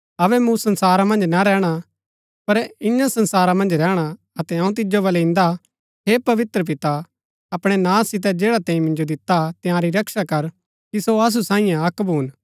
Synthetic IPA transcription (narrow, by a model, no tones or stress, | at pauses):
ɐʋɛmũsɐ̃nsaːɾamɐ̃nd͡ʒnaɾɛːɽ̃a | pɐɾɪ̃ɲãsɐ̃nsaːɾamɐ̃nd͡ʒɾɛːɽ̃a | ɐt̪ɛɐũt̪̬ɪd͡ʒobɐlɛɪ̃nd̪a | ɦepɐʋɪt̪ɾəp̬ɪt̪a | ɐpɽ̃ɛnãːsːɪt̪̬ɛd͡ʒeːɽat̪ɛ̃ːĩmɪ̃nd͡ʒod̪ɪt̪ːat̪ɪjãːɾiɾɐkʃakɐɾ | kisoɐs̬usãːĩjãɐkbʱuːn